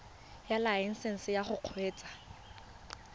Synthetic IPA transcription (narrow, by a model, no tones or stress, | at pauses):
jalaɛn̩sɛn̩sɪjaχʊq͡χʰweːt͡sʼḁ